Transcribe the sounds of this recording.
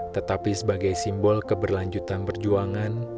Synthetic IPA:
t̪ət̪apisəbaɡajsimbɔlkəbərlaɲd͡ʒut̪anpərd͡ʒuaŋan

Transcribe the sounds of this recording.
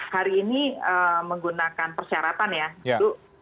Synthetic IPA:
haɾiːniəməŋɡunakanpərsiaɾat̪anjat̪u

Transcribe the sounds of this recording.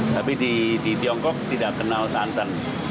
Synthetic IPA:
t̪apididit̪iɔŋkɔk̚t̪idaʔkːənalsant̪ən

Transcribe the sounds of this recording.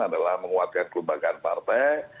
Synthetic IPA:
adalahməŋuat̪̚kankəlumbaɡanpa̰rt̪ɛj

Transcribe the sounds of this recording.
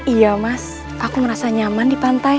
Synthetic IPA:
ijamas | ʔakuməɾasaɲamandipant̪aj

